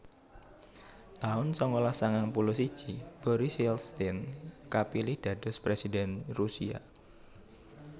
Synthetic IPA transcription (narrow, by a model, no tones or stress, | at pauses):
t̪aʊnsɔŋkɔlasaŋaŋpulʊhsid̥ʒ̥ib̥ɔɾisilst̪ɛnkapilihd̥ä̤d̥ɔ̤spɾesidɛnrusia̰